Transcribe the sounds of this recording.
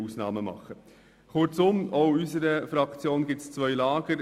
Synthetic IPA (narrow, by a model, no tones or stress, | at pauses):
usnɑ̰ːməmɑ̰χə | χʊɾt͡sʊmɔʊysəɾəfɾɑkt͡sjoːnɡ̥ɪst͡sʋœʏlɑːɡ̥əɾ